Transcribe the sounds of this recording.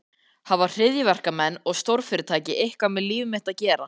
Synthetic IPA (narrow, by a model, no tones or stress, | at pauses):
havar̥r̥ɪðjɪvɛr̥kamɛnːɔɣst̪owɾfɪːɾɪt̪ʰaːjcɪʔejhkvamɪliːvɪmɪht̪aðcɛːɾa